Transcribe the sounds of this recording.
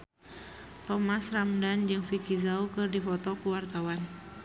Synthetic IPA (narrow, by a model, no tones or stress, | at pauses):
t̪ɔmasramdand͡ʒɨŋfikizaukɨrdifɔt̪ɔkuwart̪awan